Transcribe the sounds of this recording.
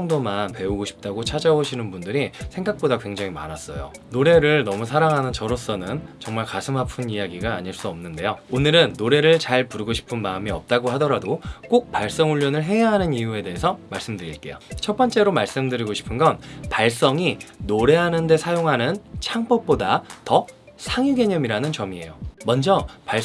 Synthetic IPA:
ŋdomanpe̞uɡoɕʰi̥p̚t͈aɡot͡ɕʰad͡ʑaoɕʰinɯnbundɯɾisʰe̞ŋɡak̚p͈odakwe̞ŋd͡ʑaŋima̰ɾas͈ʌ̰jo̰ | noɾe̞ɾɯɭnʌmusʰaɾaŋɦanɯnt͡ɕʌɾʌs͈ʌnɯnt͡ɕʌŋmaɭkasʰɯmɦapʰɯnijaɡiɡaːɲiɭs͈uʌmnɯnde̞joonɯɾɯnːoɾe̞ɾɯɭt͡ɕaɭpuɾɡoɕʰi̥pʰɯnmaːmiʌp̚t͈aɡoɦadʌɾadok͈ok̚paɭs͈ʌŋuʎːʌnɯɭɦe̞aɦanɯniue̞de̞ɦesʰʌmaɭs͈ɯmdɯɾiɭk͈e̞̰jo̰t͡ɕʰʌp͈ʌnt͡ɕ͈e̞ɾomaɭs͈ɯmdɯɾiɡoɕʰi̥pʰɯnɡʌnpaɭs͈ʌŋinoɾe̞ɦanɯnde̞sʰajoŋɦanɯnt͡ɕʰaŋp͈ʌp̚p͈odatʌ | sʰaŋiɡe̞ɲʌmiɾanɯnt͡ɕʌmie̞̰jomʌnd͡ʑʌpaɭ

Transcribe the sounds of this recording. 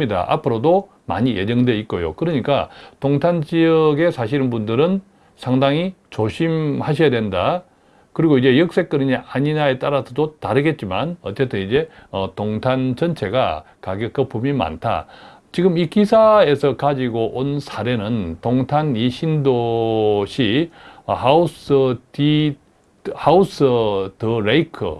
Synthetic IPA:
ida̰ʔa̰pʰɯɾodo | ma̰ɲije̞d͡ʑʌŋdwe̞ik̚k͈ojo̰kɯɾʌɲik͈a̰toŋtʰand͡ʑijʌɡe̞sʰaɕʰiɾɯnbundɯɾɯn | sʰaŋdaŋi | t͡ɕoɕʰimhaɕʰijadwenda | kɯɾiɡoid͡ʑe̞jʌk̚s͈e̞k͈ɯɾɯɲiʔaɲiɲae̞t͈aɾasʰʌdotaɾɯɡe̞t̚t͡ɕ͈ima̰nʌtt͡ɕ͈e̞tʰɯnid͡ʑe̞ʌtoŋtʰant͡ɕʌnt͡ɕʰe̞ɡa̰kaɡjʌk͈ʌpʰumima̰ntʰa̰ | t͡ɕiɡɯmikisʰae̞sʰʌkad͡ʑiɡoʔonsʰaɾe̞nɯntoŋtʰaniɕʰindoɕʰi | hausɯi | hausɯtɯɾeikʰɯ̰

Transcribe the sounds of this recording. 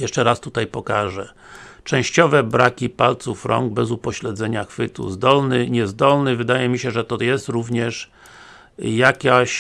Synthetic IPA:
jɛʂt͡ʂɛɾast̪ut̪ajpɔkaʐɛ | t͡ʂɛ̃w̃ɕt͡ɕɔvɛbɾakʲipalt̪sufɾʔɔ̰ŋɡ̚bɛzupɔɕlɛd̪zɛɲaxfɘt̪ṵzd̪ɔlnɘɲɛzd̪ɔlnɘvɘd̪ajɛmʲiɕɛʐɛt̪ɔjɛst̪ɾuvɲɛʂ | jakʲaɕ

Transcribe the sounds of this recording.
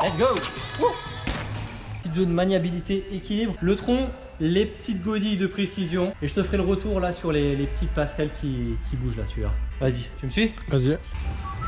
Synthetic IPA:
lɛt̪sɡou | pət̪it̪zond̪manjabilit̪eekʲilibʁlət̪χɔ̃ | lepət̪it̪ɡod̪id̪əpχesizjɔ̃eʒət̪əfʁɛləʁət̪uʁlasyʁlelepət̪it̪̚paskʲalkʲikʲibuʒla̰t̪ya̰vazit̪yməsɥi | vazi

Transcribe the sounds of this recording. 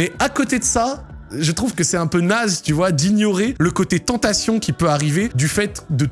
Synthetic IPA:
ɛakot̪ed̪əsa | ʒət̪χuvkəsɛt̪ɛ̃pønazt̪yvwad̪injɔʁeləkot̪et̪ɑ̃t̪asjɔ̃kʲipøaʁived̪yfɛt̪d̪ə

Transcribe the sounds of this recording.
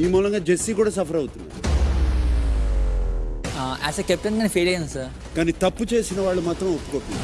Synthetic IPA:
iːmuːlɐŋɡaːd͡ʒesːiːkuːɽaːs̬ɐpʰɐɾɐwut̪unːaɾ | a̰sɐkep̚ʈɐnɡaːnipʰeːlɐjund̪isaːɾ | kaːniːt̪ɐpːut͡ʃe̞ːsinɐʋaːɭːumaːt̪ɾɐmopːu̥kot̪und̪

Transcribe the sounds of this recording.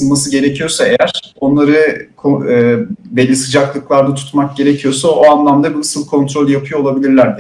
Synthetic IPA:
ɯnmasɯɟe̞ɾecʰijo̞sae̞jæɾ̥o̞nlˠaɾɯkʰoː | bɛlʲːisɯd͡ʒaklˠɯklˠaɾd̪at̪ʰu̥t̪mak̚ɟe̞ɾecʰijo̞saoanlˠamd̪abinɯsɯlˠkʰo̞nt̪ɾolʲˠjapʰɯjo̞lˠabilʲiɾlʲæɾd̪

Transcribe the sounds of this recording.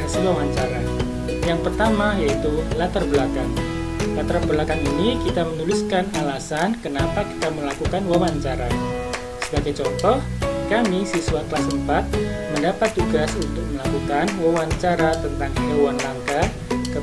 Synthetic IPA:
siwawaɲt͡ʃaɾa | jaŋpərt̪amajait̪ulat̪ərbəlakaŋ | lat̪ərbəlakaninikit̪amənuliskanalasankənapaki̥t̪aməlakukanwawaɲt͡ʃaɾa | səbaɡajt͡ʃɔnt̪ɔhkamisisuwakəlasəmpat̪̚ | məndapat̪̚d͡ʒ̪uɡasunt̪ʊk̚məlakukanwawaɲt͡ʃaɾat̪ənt̪aŋkəuanlaŋka | kə

